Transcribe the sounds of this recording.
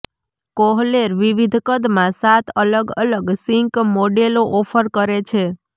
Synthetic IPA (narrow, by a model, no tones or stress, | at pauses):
koɦleɾʋiʋid̪ʱkəd̪mãsat̪ʰələɡələɡsiŋkmoɖeloʔɔfʰəɾkəɾet͡ʃʰe